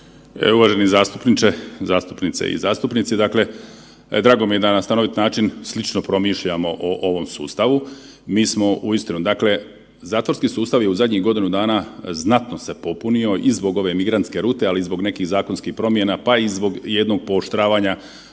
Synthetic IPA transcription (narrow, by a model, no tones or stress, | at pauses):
ḛuʋaʒenizaːst̪upnit͡ʃezaːst̪upnit̪sḛḭzaːst̪upnit̪sid̪akle̞ | d̪ɾaːɡo̞mije̞d̪anast̪ano̞ʋit̪naːt͡ʃinslit͡ʃnopɾo̞miʃʎamo̞ʔoʔoʋo̞msṵːst̪aʋu | miːsmo̞ʔuist̪inud̪akle̞ | zaːt̪ʋo̞ɾskisuːst̪aʋjeuzadʲɲiɣɡo̞d̪inud̪aːnaznat̪nose̞po̞punio̞ʔizbo̞ɡo̞ʋe̞miɡɾant̪ske̞ɾuːt̪e̞alizbo̞ɡne̞kiɣzaːko̞nskixpɾo̞mje̞napaizbo̞ɡjed̪no̞ɡ̚poːʃt̪ɾaːʋaːɲa